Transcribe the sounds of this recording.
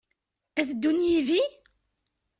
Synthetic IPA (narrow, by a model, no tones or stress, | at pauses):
æθd̪ːunjiði